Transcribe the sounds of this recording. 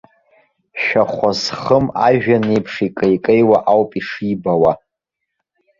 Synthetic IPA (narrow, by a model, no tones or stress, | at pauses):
ʃᶣaχʷazχəma̰ʒᶣanejpʰʂikʼejkʼejwaʔawpʼiʂibawa